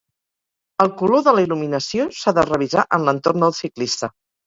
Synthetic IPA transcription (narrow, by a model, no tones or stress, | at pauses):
əlˠkuloðələiluminəsiosaðərəβ̞izaʔənlənt̪ornd̪əlˠsiklist̪ə